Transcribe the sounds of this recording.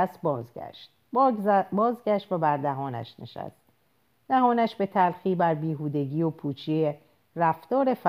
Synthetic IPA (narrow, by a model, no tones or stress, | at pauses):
st̪̚bɒːzɡæ̰ʃt̪̚ | bɒːzɡæʃt̪væbæɾd̪æɦɒːnæ̰ʃne̞̰ʃæ̰st̪̚ | d̪̥æɦɒːnæʃbe̞t̪ʰælxiːbæɾbiːɦuːd̪e̞ɟiːopʰuːt͡ʃʰie | ræft̪ɒːɾe̞f